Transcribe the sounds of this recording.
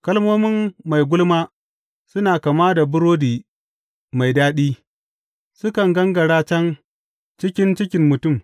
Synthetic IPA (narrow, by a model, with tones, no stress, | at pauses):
kɐ˦lmoː˦mɪ˦mːa˨jɡʷʊ˦lmaː˦ | sʊ˦naː˨ka˨maː˦da˨bʊ˦ɾoː˦diː˨ | ma˨jdaː˦ɗiː˦ | sʊ˦kɐ˨ŋɡɐ˦ŋɡɐ˨ɽaː˦t͡ʃɐ˦n | t͡ʃɪ˦kʲɪ˦nt͡ʃɪ˦kʲɪ˦mːʊ˨tʊ˦˨m